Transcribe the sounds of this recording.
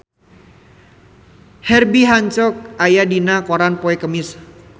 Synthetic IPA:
hɛrbiɦaɲt͡ʃɔk̚ajadinakoɾanpoɛkəmɪs

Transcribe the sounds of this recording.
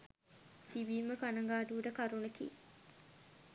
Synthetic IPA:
t̪ibiːməkɐnɐŋɡaːɖuːɖɐkɐɾunɐkḭ

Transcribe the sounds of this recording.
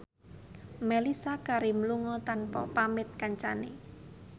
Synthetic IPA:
melisakaɾimluŋɔt̪anpɔ̰pamɪt̪̚kaɲt͡ʃanḛ

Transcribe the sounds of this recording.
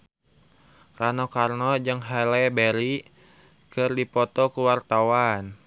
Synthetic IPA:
ranɔkarnɔd͡ʒəŋɦalɛbɛɾi | kɨrdipɔt̪ɔkuwart̪awan

